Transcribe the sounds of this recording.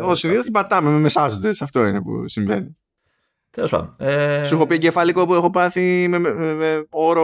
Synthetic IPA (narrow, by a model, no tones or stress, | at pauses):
osiniðost̪ibɐt̪ɐmememesɐsod̪e̞sɐft̪o̞inepṵsiɱve̞̰ni | t̪elospɐ̰ðonesuxo̞piɐɟefɐlikopuexo̞pɐθimemmeo̞ɾo